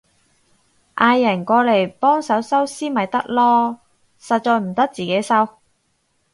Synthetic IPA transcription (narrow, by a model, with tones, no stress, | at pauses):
ʔaː˧jːɐ˨˩nkɔː˧le˨˩jpɔː˥ŋsɐ˨˥wsɐ˥wsiː˥mɐ˨jt̪ɐ˥k̚lɔː˥ | sɐ˨t̚t͡ʃɔː˧jm̩˨˩t̪ɐ˥k̚t͡siː˨˩ke˨˥jsɐ˥w